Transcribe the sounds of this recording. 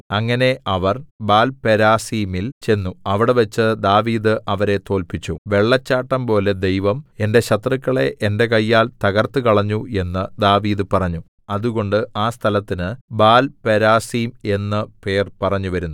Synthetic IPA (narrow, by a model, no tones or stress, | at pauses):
ɐŋːɐne̞ʔɐʋɐrbaːlpeɾaːsiːmilt͡ɕe̞nːuɐʋiɽeʋɐt͡ɕːɨd̪aːʋiːðɨʔɐʋɐɾe̞t̪o̞ːlpit͡ɕːuʋe̞ɭːɐt͡ɕːaːʈːɐmpo̞ːle̞d̪ejʋɐme̞nde̞ɕɐt̪rɐkːɐɭe̞ʔende̞kɐjːaːlt̪ɐɣɐrt̪ɨkɐɭɐɲːue̞nːɨd̪aːʋiːðɨpɐrɐɲːu | ɐðuɣo̞ɳɖɨʔaːst̪ʰɐlɐt̪ːinɨbaːlpeɾaːsiːme̞nːɨpe̞ːrpɐrɐɲːuʋɐɾunːu